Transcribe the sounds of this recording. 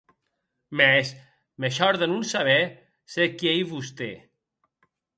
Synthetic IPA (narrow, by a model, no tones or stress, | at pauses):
mɛs | meʃɔɾðenunsaβɛ | sekiejβust̪e